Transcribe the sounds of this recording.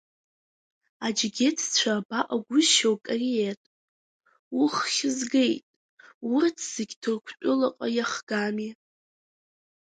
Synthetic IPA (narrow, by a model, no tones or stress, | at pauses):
ad͡ʒɡʲetʰt͡ɕʷʰabaʔaɡʷʊzʃawkʼarietʼ | uχχʲɪzɡe̞jtʼ | wʊrtʰz̥ɪɡʲtʰɨrkʷʰt͡ʃʷʼʊlaqʼajaχɡ̥ami